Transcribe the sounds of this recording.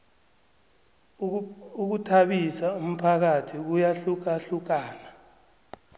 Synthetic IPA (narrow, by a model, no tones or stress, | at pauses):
uk̬utʰaɓisaum̩pʰak̬atʰik̬ujaɬuk̬aɬuk̬aːna